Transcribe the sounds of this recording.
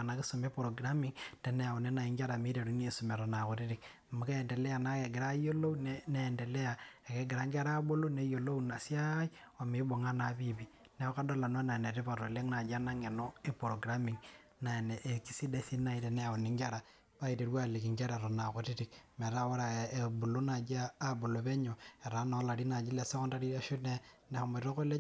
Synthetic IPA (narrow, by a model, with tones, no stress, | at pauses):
na˨ki˦su˨me˦po˨ɾo˨ɡɾa˦mi˨ŋte˨nɛ˦ja˨u˨ne˦na˨i˦ŋɡa˦ɾa˨mi˦ɾe˨ɾu˦n˦e˦su˨me˨ɾɔ˨na˨ko˨ti˦ɾi˨k | mu˨ka˦ɛ˨nde˨lɛ˦ja˨na˦ke˨ɡɪ˨ɾa˦jo˦lo˦nne˦ɛ˨nde˨le˦ja˨e˨ke˦ɡɪ˨ɾa˨˦ŋɡa˦ɾa˦bo˦lo˦ne˦jo˨lo˦u˦na˨si˦a˦i˦ | a˨me˨˦bo˨ŋa˦na˨˦βi˦bi˨ | ne˨˦ka˦do˦la˨no˦na˨ne˨ɾi˦pa˨ɾo˨le˦ŋna˨d͡ʒa˦na˦ŋe˨nɔ˦e˦pɾo˨ɡɾa˦mi˨ŋ | na˨ne˨ʔːki˦si˦de˦si˦na˨i˨˦ɾe˨ne˦a˨wo˨ni˨ŋɡa˦ɾa˨ | pa˦i˨ɾe˨ɾwa˦˨le˨ki˨ŋɡa˦ɾa˨ɾo˨na˨ko˨ti˦ɾi˨kme˨ɾa˦wo˦ɾa˨bu˨lo˦na˨d͡ʒaː˦bo˨lo˨βe˦ɲo˨e˨ɾa˨˦no˨˦la˨ɾi˦na˨d͡ʒi˦le˨se˦ko˦nda˦ɾi˦e˦ʃu˦ne˦ne˨ho˨me˨ɾo˦ko˦le˦